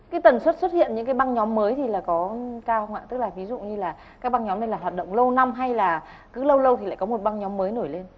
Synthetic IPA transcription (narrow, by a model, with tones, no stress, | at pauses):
kaː˨˦jt̪ə˨˩nswə˦˥t̚swə˦˥t̚hḭ˧˨ə˨nɲɨ̰˧˥kaː˨˦jɓa˧ŋɲɔ˨˦mːəː˨˦jt̪ʰi˨˩laː˨˩kɔ˨˦kaː˧hə˧ŋ͡mʔa̰ː˧˨t̪ɨ˦˥k̚laː˨˩vi˨˦zṵ˧˨ɲɨ˧laː˨˩ | kaː˦˥k̚ɓa˧ŋɲɔ˨˦mna˧˩jlaː˨˩ɦwaː˨˩t̚ɗə̰˧˨wŋ͡mlə˧wna˧mɦa˧jlaː˨˩ | kɨ˨˦lə˧wlə˧wt̪ʰi˨˩la̰ː˧˨jkɔ˨˦mo˨˩t̚ɓa˧ŋɲɔ˨˦mːəː˨˦jno˧˩jle˧n